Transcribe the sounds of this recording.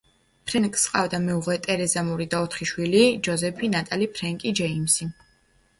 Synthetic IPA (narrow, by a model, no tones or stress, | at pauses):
pʰɾɛnkʼsqʼavd̪amɛuʁlɛt̪ʼɛɾɛzamuɾid̪aɔt̪ʰχiʃwilid͡ʒɔzɛpʰinat̪ʼalipʰɾɛŋkʼid͡ʒɛimsi